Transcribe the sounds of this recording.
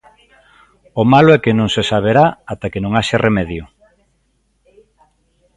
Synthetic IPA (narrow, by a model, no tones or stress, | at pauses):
omaloɛkenõŋsesaβ̞eɾaat̪akenõŋaʃarʔemɛðjʊ